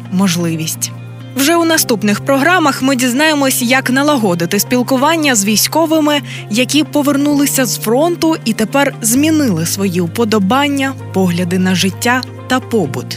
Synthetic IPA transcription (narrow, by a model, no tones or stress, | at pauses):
mɔʒlˠɪʋʲisʲtʲ | wʒɛwnɐst̪upnɪxpɾɔɦɾɑmɐxmɪdʲiznɑjemɔsʲjɐknɐlˠɐɦɔd̪ɪt̪ɪsʲpʲilˠkʊʋɑnʲːɐzʋʲijsʲkɔʋɪmɪ | jɐkʲipɔʋernulˠɪsʲɐzfɾɔnt̪ʊit̪epɛrzmʲinɪlˠɪsʋɔjiʊpɔd̪ɔbɑnʲːɐpɔɦlʲɐd̪ɪnɐʒɪtʲːa | t̪ɐpɔbʊt̪